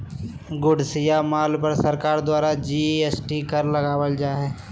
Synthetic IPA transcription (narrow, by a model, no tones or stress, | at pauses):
ɡʊɖsɪjamaːlpɐɾsɐɾkaːɾd̪waːɾad͡ʒiesʈikɐɾlɐɡaːwəld͡ʒaːɦɛː